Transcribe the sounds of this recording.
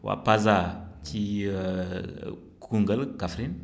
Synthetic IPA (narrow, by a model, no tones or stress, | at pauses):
wa̰pazat͡ʃi | kuŋɡəlkafɾin